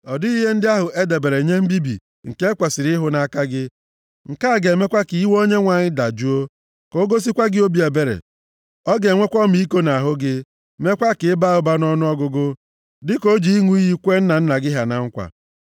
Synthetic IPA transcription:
ɔ˨di˦i˦ɦe˦n̩˦dɪ˦a˦ɦʊ˨ʔe˦de˨be˨ɾe˨ɲe˦m̩˦bi˦bḭ˨ | ŋ̩˨ke˦e˦kʷa˨sɪ˨ɾɪ˦ɦʊ˨na˨ka˦ɡɪ˦ | ŋ̩˨ka˦˨ɡe˨˦me˦kʷa˦ki˨i˦wo˦ɲe˦ŋʷa˨ɲɪ˦da˨d͡ʒu˦o˦ | ko˨˦ɡo˦s̬i˦kʷa˦ɡɪ˦o˦bi˦e˨be˦ɾḛ˨ | ɔ˦ɡe˨ŋʷe˦kʷɔ˦mi˦i˦ko˦na˨a˨ɦʊ˦ɡɪ˦ | me˦kʷa˦kɪ˨˦ba˦˨ʊ˦ba˦nʊ˦ɔ˦nʊ˦ɔ˦ɡʊ˦ɡʊ˦ | dɪ˦ko˦d͡ʒi˨˦i˦ŋu˦i˦ɦi˦kʷe˦n̩˦na˨n̩˦na˨ɡɪ˦ɦa˨na˨ŋ̩˦kʷa̰˨

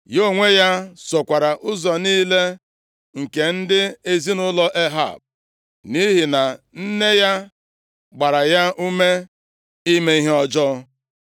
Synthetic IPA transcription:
jo˦˨ŋʷe˦ja˦sɔ˨kʷa˨ɾa˨ʔʊ˦zɔ˨niː˦le˦ | ŋ̩˨ke˨n̩˦dɪ˦e˦zi˦nʊ˦lɔ˦ʔe˦ɦa̰˦˨b̚ | ni˦ɦi˨na˨n̩˦ne˦ja˦ | ɡ͡ba˨ɾa˨ja˦u˦me˦ | i˦me˦i˦ɦe˦ɔ˦d͡ʒɔ˦

